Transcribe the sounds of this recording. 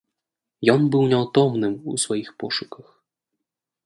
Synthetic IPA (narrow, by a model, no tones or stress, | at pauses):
jɔnbɨwnʲɛwt̪ɔmnɨmṵsvajixpɔʂukɐx